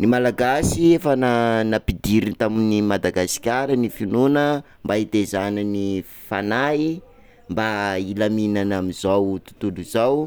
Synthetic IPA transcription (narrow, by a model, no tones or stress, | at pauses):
nimalaɡasiefənanapid̪iɾint̪aminimad̪aɡasi̥kʲaɾənifinunə | mbait̪ezanəni | fa̰nai | mbailaminanamizawt̪u̥t̪uluzaw